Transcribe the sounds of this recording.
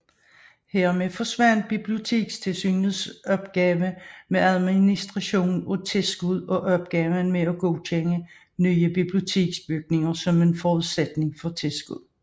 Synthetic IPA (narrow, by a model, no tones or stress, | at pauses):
heɐmeðˠfɒ̽sʋænd̥̚b̥ib̥lio̝t͡sʰe̝̰ːɡ̥st͡sʰe̝lsy̰ːnð̩ˠsɒ̽b̥ɡ̥ɛːʋəmeæðˠminisd̥ʁɑ̈ɕo̝̰ːn̩ɔt͡sʰe̝lsɡ̥uð̞̰ˠɒ̽ʔɒ̽b̥ɡ̥ɛːʋənmeɒɡ̥ɔʊt͡ɕʰeŋə | nyːəb̥ib̥lio̝t͡sʰe̝̰ːɡ̥sb̥yɡ̥̚ne̝ŋɐsɒ̽me̝nfɒːuðˠsed̥ne̝ŋfɒ̽t͡sʰelsɡ̥uð̰ˠ